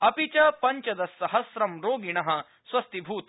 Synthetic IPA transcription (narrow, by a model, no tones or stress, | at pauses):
ɐpit͡ʃɐpɐɲt͡ʃɐd̪ɐsːɐɦɐsɾɐmɾoːɡiɳɐɦɐ̆ | swɐst̪ibʱuːt̪